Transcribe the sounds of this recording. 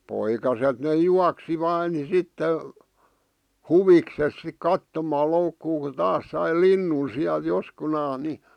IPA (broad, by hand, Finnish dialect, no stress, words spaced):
poikɑset ne juɑksi ʋɑː ni sitːe huʋikses sik kɑtːomɑː loukːuː ku tɑːs sɑi linːun siæl joskunɑːs̆ ni